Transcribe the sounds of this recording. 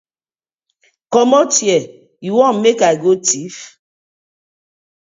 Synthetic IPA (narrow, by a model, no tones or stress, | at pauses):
kɔmɔtjɛ | jiwɔmekaɡotif